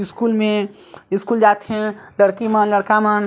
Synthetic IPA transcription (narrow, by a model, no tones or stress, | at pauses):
ɪskuːlmẽ | ɪskuːld͡ʒaːt̪ɦɛ̃ləɽkimənləɽkamən